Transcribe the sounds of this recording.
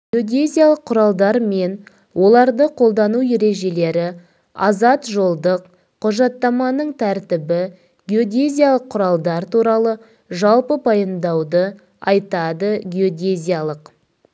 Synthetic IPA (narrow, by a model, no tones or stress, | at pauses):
ɡʲɪo̞d̪ʲezʲijalˠəqʰːʊɾɑlˠd̪ɑɾme̞n | wʔo̞lˠɑɾd̪əqʰo̞lˠd̪ɑnuje̞ɾe̞ʒe̞le̞ɾɪ | ɑ̰zɑt̪ʒo̞lˠd̪əq | qʰʊʒɑt̪ːɑmɑnəɴt̪ʰæɾt̪ɪbɪ | ɡʲeo̞d̪ʲezʲijalˠəqʰːʊɾɑlˠd̪ɑɾt̪ʰuɾɑlˠə | ʒɑlˠpəpʰɑjənd̪ɑwd̪ə | ɑjt̪ɑd̪əɡʲeo̞d̪ʲezʲijalˠəq